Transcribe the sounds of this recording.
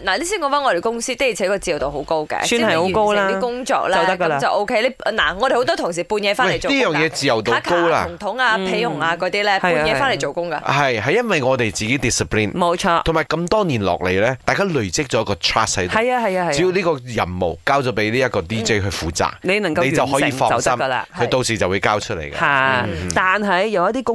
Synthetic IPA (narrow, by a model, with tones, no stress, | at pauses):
naː˨˩li˥siː˥nkɔ˨˧ŋfaː˥ŋɔ˨˧ɾe˨˩jkʊ˥ŋsiː˥t̪e˥i˨˩t͡sʰɛ˨˧˥kɔː˧t͡siː˨jɐ˨˩wt̪o˨who˨˧˥wko˥wkɛ̰ː˧snhɐ˨jho˨˧˦ko˥˩wla˥kʊ˥ŋt͡sɔ̰ː˧k̚lɛ˨t̪ɐkːt͡sɐ˨wʔo˥wkʰe˥le˨˩˧naː˨˩ŋɔː˨˧d̪e˨˩ho˨˥wt̪ɔ˥t̪ʰʊ˨˩ŋs̬iː˨˩puː˧njɛ˨˧faː˥wo˨liː˥jœː˨˩jɛː˨˧t͡siː˨jɐ˨wt̪o˨aː˨˥kʰko˨˥wla̰ː˧ʊ˨˩ŋt̪ʰʊ˨˥ŋaː˧ppʰe˨˥jjʊ˨˩ŋaː˨˧kɔː˨˥t̪iː˥lɛː˥hujːjɛː˨˧faː˥nle˨˩jt͡ʃo˨˩wkʊ˥ŋka̰ː˧hɐ˨jɦɐ˨jːɐ˥nwɐ˨jŋɔː˨˧t̪e˨jt͡siː˨ke˨˥jt̪i˨˩si˨pʰliː˥˩nmo˨˧wt͡ʃʰɔː˧˨˩maː˨˩jkɐ˧mt̪ɔː˥niː˨˩nlɔ̰ː˨k̚le˨˧jlɛː˥t̪aː˨jkaː˥lɵ˨˩ɥt͡sɪ˥k̚t͡sɔː˨˦jɐ˥kːɔː˧t̪ʰɹaː˥s̚hɐ˦jɐ˨˩ja˧hɐ˨ja˧ɐ˨jii˨˥ji˨˧wliː˥kɔː˧jɐ̰˨˩mmo̰˨wkaː˥wt͡sɔː˨˥pe˨˥jliː˥jɐ˥t̚kɔː˧t̪iː˥t͡se˥jɦɵ˨˧ɥfuː˨t͡sa̰ː˨˩k̚ne˨˧nɐ˨˩ŋkɐ˧ne˨˧jt͡sɐ˨wɦɔː˨˥jiː˧ŋfɔː˧sɐ˨˧wsɐ˥mkːla̰ː˧ɵ˨˧t̪o˧wsiː˨˩t͡sɐ˨wuː˨˧jkaː˥wt͡ʃʰɵ˥t̚lḛ˨˩jkːɐ˨˩t̪aː˨˩nɦɐ˨jːɐ˨wjɐ˥t̪iː˥kʊ˥ŋ